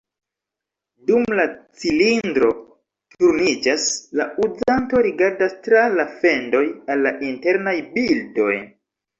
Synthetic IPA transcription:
dumlat͡silindɾo̞ | tuɾnid͡ʒaslaud͡zanto̞ɾiɡaɾdastɾalafe̞ndo̞jalːaʔinte̞ɾnajbildo̞̰j

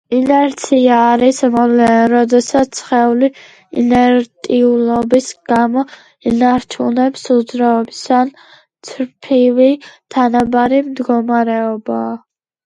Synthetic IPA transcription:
inɛɾt̪sʰiaːɾismɔlɛnɾɔd̪ɛsat̪ʰsʰχɛuli | ḭnɛɾt̪ʼiulˠɔbisɡ̥amɔ | inaɾt͡ʃʰunɛpsud̪zɾaɔbisan | t̪sʰɾpʰivit̪ʰanabaɾimd̪ɡɔmaɾɛɔbaː

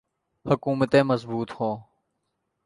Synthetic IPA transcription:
hʊkuːmət̪ẽːmɐzbuːt̪hõː

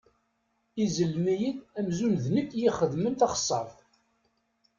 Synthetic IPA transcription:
izəlmijiðæmzunðnəkːjiχəðmənt̪ɑχə̥sˤːɑθ

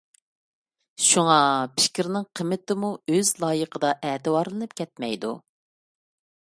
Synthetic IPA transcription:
ʃuŋɑpʰɪ̥kʲɾnɪŋqʰəmːɪt̪ɪmuøzlˠɑːjəqʰəd̪ɑʔɛːt̪ɨwɑɾlˠɨnɨpkʲʰɛt̪̚mɛjd̪ṵ

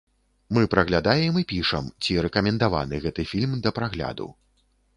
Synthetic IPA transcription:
mɨpɾɐɣlʲad̪ajɛmɨpʲiʂɐ̰mt͡sʲiɾɛkɐmʲɛnd̪ava̰nɨɣɛt̪ɨfʲilʲmd̪ɐpɾaɣlʲa̰d̪ṵ

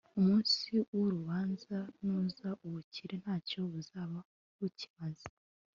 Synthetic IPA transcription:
umuːnsiwoɾuβaːnzanuːzaʔuβuciɾe̞n̥haːco̞βuzaβa | wuci̥mazi̥

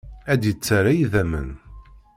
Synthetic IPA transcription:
æd̪jət͡sːaɾajiðæmə̰n

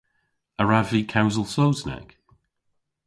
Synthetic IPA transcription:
əɹavikʰawzəlˠsowzna̰k

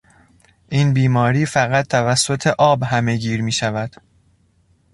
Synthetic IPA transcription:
ʔiːnbiːmɒːɾiːfæɣæt̪̚ʰt̪ːʰævæsːo̞t̪ʰe̞ʔɒːbɦæme̞ɡiːɾmiːʃævæd̪̥

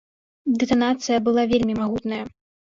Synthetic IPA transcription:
d̪ɨt̪anat̪sɨjɐbɨlˠavʲelʲmʲimaɣut̪nɐjɐ

